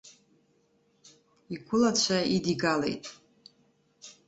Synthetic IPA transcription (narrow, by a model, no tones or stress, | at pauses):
iɡʷʊlat͡ɕʷʰaidiɡalḛjtʼ